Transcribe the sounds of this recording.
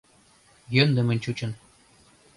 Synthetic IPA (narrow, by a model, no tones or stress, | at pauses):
jønd̪ɘ̆mɘ̆nʲt͡ɕut͡ɕɤ̆n